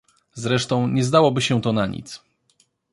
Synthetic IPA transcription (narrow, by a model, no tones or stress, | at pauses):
zɾɛʂt̪ɔ̃w̃ɲɛzd̪awɔbɘɕɛt̪ɔnaɲḭt̪s